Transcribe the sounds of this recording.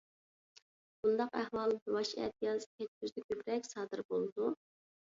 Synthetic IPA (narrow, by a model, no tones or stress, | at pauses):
b̥und̪ɑqæhwɑlˠwɑʃɛ̰t̪jɑzkʲʰɛt̪̚kʲyzd̪ɪkʲʰøbɾɛkʲsɑːd̪ɨɾbolˠd̪u